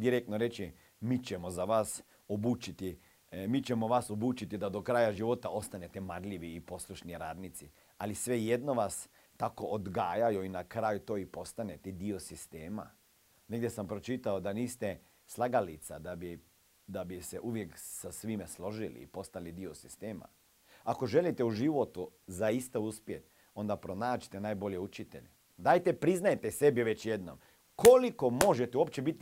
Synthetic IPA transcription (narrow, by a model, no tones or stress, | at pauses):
d̪iɾekt̪noɾe̞t͡ʃi | miːt͡ʃemozaʋaːs | obuːt͡ʃit̪i | miːt͡ʃemoʋaːsobuːt͡ʃit̪id̪ad̪okɾaːjaʒiʋo̞t̪ao̞st̪anet̪emaɾʎiʋiːpo̞slˠuʃniɾaːd̪nit̪si | alisʋe̞jed̪noʋas | t̪ako̞ʔod̪ɡaːjajuinakɾaːjut̪o̞ːipo̞st̪anet̪ɛd̪iosist̪eːma̰ | neɡd̪ʲjesampɾot͡ʃit̪aod̪aniːst̪e | slˠaɡalit̪sad̪abi | d̪abiseʔuʋje̞ksasʋimeslˠo̞ʒilḭːpo̞st̪alid̪iosi̥st̪eːma̰ | ako̞ʒe̞lit̪euʒiʋo̞t̪uzaist̪auspjet̪ | o̞nd̪apɾonaːt͡ʃi̥t̪enaːjbo̞ʎeut͡ʃit̪ḛʎe | d̪aːjt̪epɾiznajet̪esebiʋet͡ɕjed̪no̰m | ko̞liko̞mo̞ʒet̪euopt͡ɕebit̪